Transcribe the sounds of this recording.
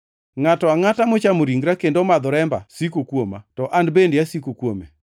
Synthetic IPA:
ŋatɔaŋatamot͡ʃamoɾiŋɡɾakendomad̪ɔɾɛmba̰sikokwoma̰tɔʔandbendjasikokwomḛ

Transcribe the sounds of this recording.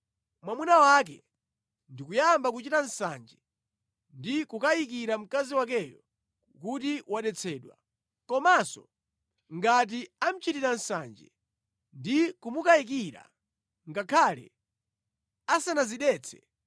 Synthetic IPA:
mwamunawak̬ɛ̰ | ndikujambak̬ut͡ʃitan̩sa̰nd͡ʒɛ | ndikukajik̬iɾam̩kaziwak̬ɛjɔ | kutiwaɗɛt͡sʰɛːɗwa̰ | kɔmasɔ̰ | ŋɡat̬iam̩t͡ʃitiɾan̩sa̰nd͡ʒɛ̰ | ndikumukaik̬iɾa̰ | ŋɡakʰalɛ̰ | asanaziɗɛt͡sʰɛ̥

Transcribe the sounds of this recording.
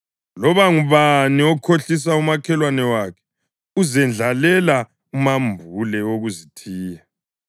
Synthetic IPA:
lɔβaŋuβaniɔkʰoɬis̬aumakʰɛlwanɛwakʰɛ̥ | uzɛnd͡ɮʱalɛla | umambʱulɛoɣuzitʰiːja

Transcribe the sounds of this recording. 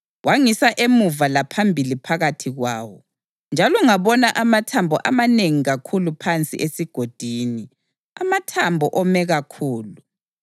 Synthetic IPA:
wʔaŋisaʔemuvalapʰambʱilipʰaɣatʰiɣwaːwɔ | nd͡ʒʱalɔŋaβɔnaʔamatʰambʱɔʔa̰maneŋiɣakʰulupʰant͡sʼḭʔesiɡ̥ʱod̥ʱiːni | a̰matʰambʱɔʔɔmɛɣakʰuːlu

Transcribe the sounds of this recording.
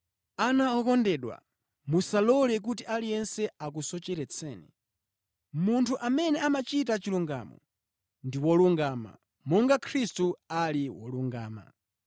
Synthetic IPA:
anaɔkɔndɛɗwa̰ | musalɔlɛk̬utiʔalijɛnsɛak̬usɔt͡ʃɛɾɛt͡sʰɛːnḭ | muntʰuʔamɛnɛamat͡ʃitat͡ʃiluŋɡa̰ːmɔ̰ | ndiwɔluŋɡaːma̰ | mɔŋɡakʰɾistualiwɔ̰luŋɡaːma̰

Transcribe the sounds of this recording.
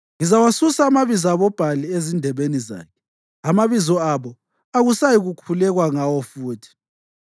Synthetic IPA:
ŋizawasusaːmaβizaaβɔb̥ʱaliezindʱɛβeniza̰ːkʰɛ̥ | amaβizɔaβɔ | aɣusajiɣukʰulɛɣwaŋawɔfuːtʰi̥

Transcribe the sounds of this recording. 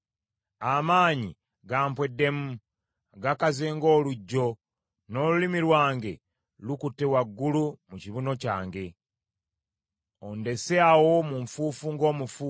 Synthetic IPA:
amaːɲḭ | ɡaːmpwe̞dːe̞mu | ɡakazeːŋɡo̞ːluɟːo̞ | no̞ːlulimiɾwaːŋɡe̞̰ | lukutːe̞waɡːulumuciβuno̞ca̰ːŋɡe̞ | onde̞seawo̞muɱfuːfuŋɡo̞ːmufu

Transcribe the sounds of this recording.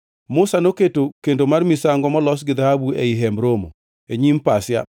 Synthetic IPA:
mʊsanoketokendomarmisaŋɡɔmɔlɔsɡɪd̪ahabuɛ̰ɪɦɛmɾomo̰ | eɲimpasja̰

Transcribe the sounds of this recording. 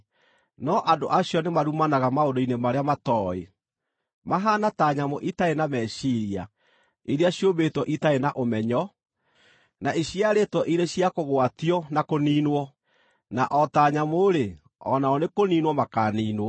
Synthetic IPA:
nɔʔado̰ʔaɕjɔnemaɾumanaɣamaondoinemaɾeamatɔḛ | maɦaːnataɲamoʔitaenamɛːɕiɾia̰ | iɾeaɕjobetwɔʔitaenaʔomɛɲɔ | naeɕiaɾetwɔʔiɾeɕjakoɣwatiɔnakoniːnwɔ | naʔɔtaːɲamoɾe | ɔ̰naɔnekoniːnwɔmakaːniːnwɔ

